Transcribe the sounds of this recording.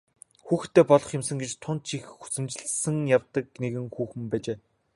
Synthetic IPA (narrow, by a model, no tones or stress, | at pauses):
xuːxt̪ʰːeːpɔɮɞ̆χjɪmsə̆ŋɡet͡ɕt̪ʰʊnt̪t͡ɕʰixu̥sɘ̆mt͡ɕɪ̆ɮsə̆ŋjawt̪ə̆k̚neɣɘ̆ŋxuːxɘ̆mpæːt͡ɕeː